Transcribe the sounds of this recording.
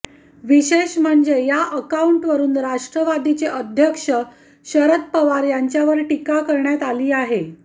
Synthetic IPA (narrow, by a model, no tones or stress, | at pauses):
ʋiɕeɕm̤əɳd͡zejaʔəkauɳʈʋəɾuːnɾaʂʈɾəʋad̪it͡seʔəd̪ʱjəkʂə | ɕəɾət̪̚pəʋaɾjaɲt͡ɕjaʋəɾʈikakəɾɳjat̪aliːaɦe